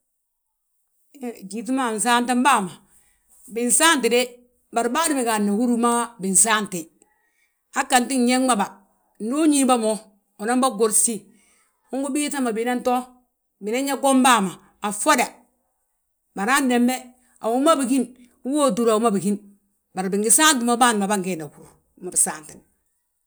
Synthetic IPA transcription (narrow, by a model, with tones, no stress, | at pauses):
d͡ʒi˨t̬i˦ma˦˨n̩˨saː˦nta˦mba˦˨ma˨ | bi˨n˨sa˦nti˨de˦ | ba˨ɾbaː˦di˦mi˨ka˨nːa˨hu˦ɾu˦ma˦bi˨n˨sa˦nte˨ | a˦ka˨nti˦n˦ɲe˦ŋma˦ba˨ | n˨˦do˦ɲi˦ba˦mo˨ | o˨na˦mba˦ɡo˨ɾsi˦ | u˦ŋɡu˦bi˦ta˦ma˨bi˨na˦nto˦ | bi˨na˦ɲa˦ɡo˦mba˦˨maː˨ | fo˦da˨ | ba˨ɾa˦nːe˨mbe˦ | a̰˨wu˦ma˦bi˨ki˦n | u˦wo˦du˨ɾa˨wu˦ma˦bi˨ki˦n | ba˨ɾbi˨ŋɡi˨saː˦nti˨ma˦baː˦n˨ma˨ba˦ŋɡe˨na˨ku˦ɾu˨ | ma˨bi˨saː˦˨nti˨n˨